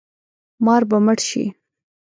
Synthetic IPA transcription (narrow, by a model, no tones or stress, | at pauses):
mɑɾbaməʈʃḭ